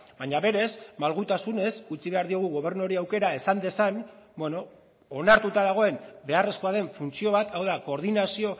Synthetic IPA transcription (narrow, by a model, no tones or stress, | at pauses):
baɲaβe̞ɾe̞zmalɣut̪asune̞sut͡siβe̞aɾðio̞ɣ̞uɣo̞β̞e̞ɾnuɾiawke̞ɾae̞sand̪e̞sanbwe̞no̞ː | naɾt̪ut̪aðaɣ̞o̞e̞mbe̞are̞sko̞aðe̞ɱfunt͡sio̞β̞at̪awðako̞ɾðinasio̞